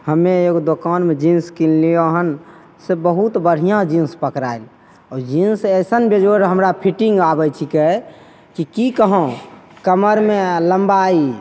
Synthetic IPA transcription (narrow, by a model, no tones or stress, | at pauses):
həmːeeɡod̪okanmed͡ʒĩnskillijoɦən | sebəɦut̪bəɽ̤ijãd͡ʒĩnspəkɾail | ɔd͡ʒĩnsəsənbed͡ʒoɾɦəmɾapʰiʈĩŋɡabəjt͡ʃʰike | kikikəɦõkəməɾmeləmbai